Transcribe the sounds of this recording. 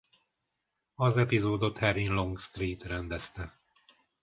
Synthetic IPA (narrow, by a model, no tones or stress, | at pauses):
ɒzɛpizoːd̪ot̪hɛrinlo̞ŋɡst̪riːt̪rɛnd̪ɛst̪ɛ